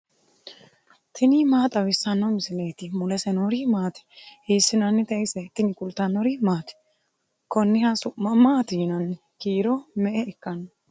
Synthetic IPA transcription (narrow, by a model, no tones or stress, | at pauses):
t̪ʰɪnimaːt̪ʼɐwɪsːɐnːɔmɪsɪleːt̪ɪmʊlɛsɛnoɾimaːt̪ɛ̥heːsːɪnɐnːɪt̪ɛɪsɛt̪ːɪnɪkʼʊlt̪ːɐnːɔɾimaːt̪ɛ̥ | kɔnːɪhasʊʔmːɐmaːt̪iːnɐnɪ | kiːɾɔmɛʔɛɪkːɐnːɔ